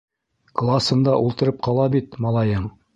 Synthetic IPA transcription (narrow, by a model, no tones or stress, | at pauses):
klˠasɤ̆nd̪ɑʔulˠt̪ɤ̆ɾɤp̚qɑlˠɑbit̪mɑlˠɑjɤɴ